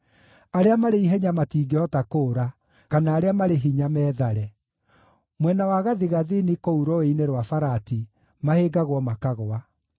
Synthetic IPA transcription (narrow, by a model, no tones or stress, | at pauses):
aɾeamaɾeiɦɛɲamatiːɡeɔtakoːɾa | kanaːɾeamaɾeɦiɲamɛːðaɾɛ | mwɛnawaɣaðiɣaðinikouɾɔeineɾwafaɾati | maheːɡaɣwɔmakaɣoa